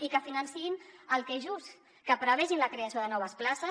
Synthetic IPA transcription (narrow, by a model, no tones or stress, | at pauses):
ikəfinənsiinəlˠkeʒus | kəpɾəβɛʒinləkɾeasioðənɔβ̞əsplasə